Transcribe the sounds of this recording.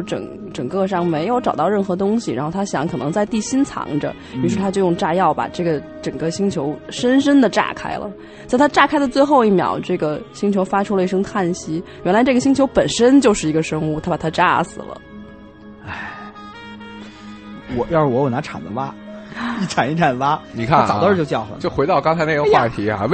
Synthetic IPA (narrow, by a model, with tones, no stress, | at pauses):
ʈ͡ʂɤ̰˨˩ŋ | ʈ͡ʂɤ˨˩ŋkɤ˥˧ʂ̬ɑ˥˩ŋme˧˥ɪjo˧˥ʊʈ͡ʂɑ˨˩ʊt̪ɑ˥˧ʊɻə˥˩nxɤ˧˥t̪ʊ˥ŋɕi˨˩ɻa̰˧˥xʊt̪ʰa˥ɕjɑ̰˧˥ŋkʰɤ˨˩nɤ˧˥ŋt͡sa˥˧ɪt̪i˥˩ɕi˥nt͡sʰɑ̰˧˥ŋʈ͡ʂə̰˧ | y˧˩ʂɻ̩ʰ˥˩a˥t͡ɕjʊjʊ˥˧ŋʈ͡ʂa˥˧jɑ˥˩ʊpa̰˨˩ʈ͡ʂɤ˥˩ɡə˩ | ʈ͡ʂɤ˨˩ŋkə˥˧ɕi˥ŋt͡ɕʰjo˧˥ʊʂə˥nʂə˥nd̪ə˨ʈ͡ʂa̰˥˩kʰa̰˥ɪlə̰˨ | t͡sa˥˩ɪt̪ʰa˥ʈ͡ʂa˥˩kʰa˥ɪd̪ə˨t͡swe˥˧ɪxo˥˧ʊi˥˩mjɑ̰˨˧˩ʊʈ͡ʂɤ˥˩ɡə˩ɕi˥ŋt͡ɕʰjo˧˥ʊfa˥ʈ͡ʂʰu˥lə˧i˥˩ʂɤ˥ŋt̪ʰa˥˩nɕi˥ɥʔɛ˧˥nla˧˥ɪʈ͡ʂɤ˥˩ɡə˩ɕi˥ŋt͡ɕʰjo˧˥ʊpə˨˩nʂə˥nt͡ɕjo˥˧ʊʂɻ̩˥˩i˧˥ɡə˧ʂɤ˥ŋu˥˩t̪ʰa˥ba˨˩t̪ʰa˥ʈ͡ʂa̰˥sɹ̩̰˨˩lə̰˩˦ | a˥˩ | wɔ˨˧˦jʂ̩˥˩wɔ˧˥jna˧˥ʈ͡ʂʰa̰˨˩nd̪ə˦˥a˥ | ʈ͡ʂʰa˨˩ni˥˩ʈ͡ʂʰa˨˩nd̪ə˦wa˥ni˨˩kʰa˥˩˥n˨ɑ˨˩d̪ə˥˧jo˥˧t͡ɕjɑ˥˩ʊxə̰˩t͡ɕjo˥˩ʊxwe˧˥ɪt̪ɑ˥˩ʊkɑ˥ŋt͡sʰa˧˥ɪna˥˩ɡə˧xwa˥˩t̪ʰi˧˥a̰˧˩